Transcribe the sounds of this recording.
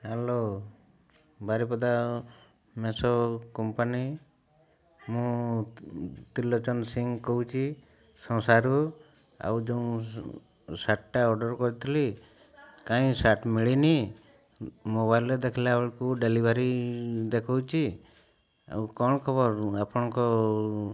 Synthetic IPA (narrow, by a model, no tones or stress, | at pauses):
ɦelo | baɾipɔd̪a | mesɔkɔmpani | mũ | t̪ilːɔt͡ʃɔnsiŋɡkɔut͡ʃʰi | sɔ̃saɾu | a̰wd͡ʒeũ | saʈʈaɔɾɖɔɾkɔɾit̪ʰili | kãĩsaʈmiɭini | moβajled̪ekʰilaɔɭkuɖelibʱaɾid̪ekʰɔwt͡ʃʰi | a̰wkɔñkʰɔbɔɾapɔɽ̃ɔ̃kɔ